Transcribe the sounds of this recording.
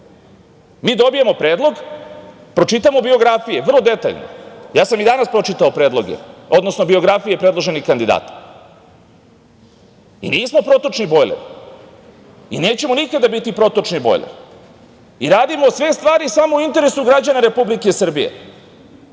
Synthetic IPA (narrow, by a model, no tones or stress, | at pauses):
miːd̪o̞bije̞mo̞pɾe̞ːd̪lˠo̞ɡ | pɾo̞t͡ʃit̪amo̞bio̞ɡɾafije̞ʋr̩lˠod̪e̞t̪a̰ʎno̰jaːsamid̪anaspɾo̞t͡ʃit̪aopɾe̞ːd̪lˠo̞ɡḛo̞d̪no̞snobio̞ɡɾafije̞pɾe̞d̪lˠo̞ʒe̞nixkand̪id̪a̰ːt̪ḁ | ḭniːsmo̞pɾo̞t̪o̞t͡ʃnibo̞jlḛɾ | ineːt͡ɕe̞monikad̪abit̪ipɾo̞t̪o̞t͡ʃnibo̞̰jlḛ | iɾaːd̪imosʋe̞st̪ʋaːɾisamouint̪eɾesuɡɾad͡ʑanaɾe̞publikesr̩bijḛ